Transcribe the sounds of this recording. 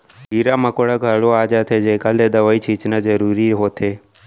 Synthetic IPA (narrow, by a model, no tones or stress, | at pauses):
ɦiɾaməkoɽaɡʱəɭoad͡ʒat̪ʰed͡ʒekaled̪əʋait͡ʃʰit͡ʃnad͡ʒəɾuɾiɦot̪ʰe